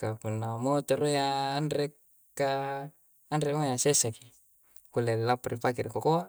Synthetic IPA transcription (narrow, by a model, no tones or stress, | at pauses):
kapunːamot̪oɾojaːnɾekː | aː | nrekmojasesaki̥ | kulelapaɾʔipakirkokoa